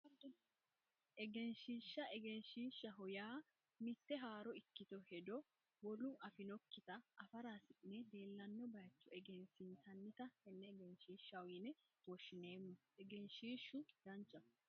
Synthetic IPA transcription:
ɐd̪ɔ | ɛɡɛnʃiːʃːɐʔɛɡɛnʃiːʃːɐɦɔjaː | mɪt̪ːɛɦaːɾɔɪkːɪt̪ɔhɛd̪ɔ | wɔlʊʔɐfɪnɔkːɪt̪ɐʔːfɐɾaːsɪʔnɛd̪e̞ːlːɐnːɔbɐjt͡ʃːʊɛɡɛnsɪnt̪ɐnːɪt̪ɐhɛnːɛɡɛnʃiːʃːɐwɪnɛ | wɔʃːɪne̞ːmːɐ | ɛɡɛnʃiːʃːʊd̪̥ɐnt͡ʃːɐ

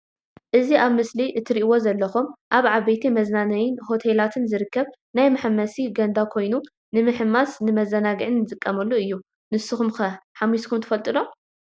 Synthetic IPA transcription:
ʔɨziʔaβmɨsliʔɨt̪ʰːɨɾiʔiwo̞zɐlːɐxumʔaβʕaβejt̪ʰimɐznanɐjɪnho̞t̪ʰelat̪ʰɨnzɨɾɨkːɐβ | najmɐħɨmːɐsiɡɐnd̪akʰo̞jnu | nɨmɨħɨmːasnɨmɐzɐnaɡɨʕɨnːɨzʼɨkʼːɐmɐlːuɨjːu | nɨsːɨxumxɐħamːiskʰumt̪ʰɨ̥fɐlt̪ʼɨno̞

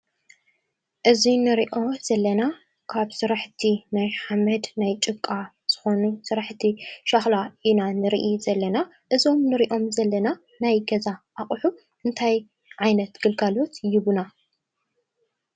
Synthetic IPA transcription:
ʔɨzinɨɾiʔo̞z̥ɐlːɐna | kʰaβsɨɾaħt̪ʰinajħamɐd̪najt͡ʃʼɨkʼːa | z̥ɨxo̞nusɨɾaħt̪ʰiʃaxlaʔinanɨɾ̰ʔizɐlːɐna | ʔɨzo̞mnɨɾiʔo̞mzɐlːɐna | najɡɐzaʔaχʼħu | ʔɨnt̪ʰaj | ʕajnɐt̪ɡ̥ɨlɡalo̞t̪jɪβuna

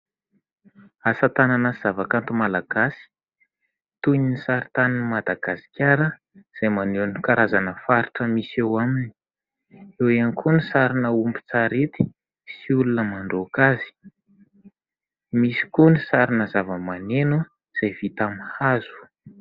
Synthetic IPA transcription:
asət̪ananəz̥avakant̪umalaɡ̥asi̥ | t̪uɲinisaɾit̪aninimad̪aɡ̥asi̥kʲʰaɾə | z̥ajmanunikaɾazanəfaɾiʈ͡ʂəmisewamini̥ | ewankʰunisaɾinəumbi̥t͡saɾet̪i̥ | siulunəmaɳɖ͡ʐokazi̥ | misi̥kunisaɾinəzavəmanenu | z̥ajv̥it̪amhaz̥u̥

